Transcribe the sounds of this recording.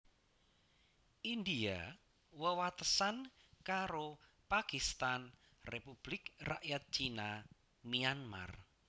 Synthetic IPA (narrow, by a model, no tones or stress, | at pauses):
ʔind̪ia | wəwat̪əsankaɾo | pakist̪an | repub̥lɪkra̰ʔjat̪̚t͡ʃina | mianma̰r